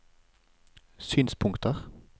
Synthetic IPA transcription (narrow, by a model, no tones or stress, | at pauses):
syːnspʰʊŋkt̪əʁ